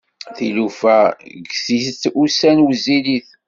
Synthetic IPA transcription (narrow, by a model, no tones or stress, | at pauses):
θilufæɡsist̪usænwəzːiliθ